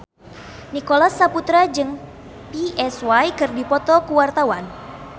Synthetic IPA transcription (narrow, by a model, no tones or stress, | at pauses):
nikolasːaput̪ɾad͡ʒɨŋ | piɛswajkɨrdipɔt̪ɔkuwart̪awan